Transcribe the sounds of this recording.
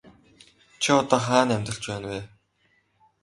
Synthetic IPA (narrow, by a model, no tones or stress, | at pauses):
t͡ɕʰiɔt̪ɔːχaːnæmʲt̪rə̆ɬt͡ɕpæːnweː